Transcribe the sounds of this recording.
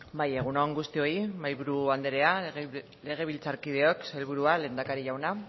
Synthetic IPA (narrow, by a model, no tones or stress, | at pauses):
baje̞ɣ̞unoŋɡust̪io̞imajβuɾuand̪eɾe̞a | le̞ɣ̞e̞β̞ilt͡saɾkið̞e̞o̞kselβuɾuale̞ːnd̪akaɾiʝawna